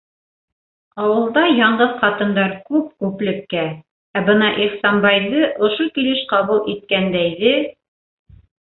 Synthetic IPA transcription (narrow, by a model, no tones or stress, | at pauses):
ɑwɤ̆lˠd̪ɑjɑɴɢɤðqɑt̪ɤ̆nd̪ɑɾkʉp̚kʉplɘ̆kːæ | æbɤnɑʔiχsɑnbɑjðɤʔŏʃokilɘʃqɑβulˠʔit̪̚kænd̪æjðɘ